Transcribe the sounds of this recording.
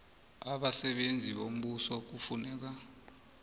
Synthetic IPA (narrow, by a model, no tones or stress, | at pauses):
aɓasɛɓend͡zʱiɓom̩ɓusɔk̬ufunɛːk̬a